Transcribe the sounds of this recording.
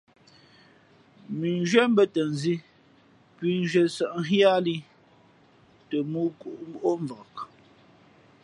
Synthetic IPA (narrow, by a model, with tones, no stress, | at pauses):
mi˨nʒɥɛ˦m˦bə˦tə˨nzi˦ | pɥi˨˦n˦ʒə˨sə˨ʔŋ̩˦ɦja˦li˦ | tə˨mu˦ku˨ʔbʔo˦ɱvɔ˨k